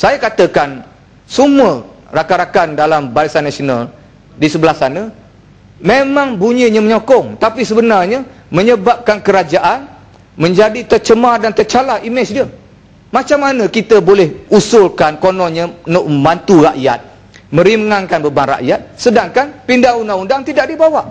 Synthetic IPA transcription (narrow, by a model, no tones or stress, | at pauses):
sajakat̪əkan | sumuə | rakaɾakandalambaɾisanːasional | disəbəlahsanə | memãŋbuɲiɲəməɲokɔŋt̪apisəbənarɲə | mə̃ɲəbap̚kankəɾad͡ʒaʔan | mə̃ɲd͡ʒadit̪ərt͡ʃəmadant̪ərt͡ʃalaʔimɪt͡ʃdiə | mãt͡ʃamːanə̃kit̪əbolɛhusʊlkankonɔɲənʊʔ̚məmbant̪uraʔjat̪̚ | mə̃ɾimŋaŋkanbəbanra̰ʔjat̪̚sədaŋkanpindaŋundaundaŋt̪idaʔ̚dibawaʔ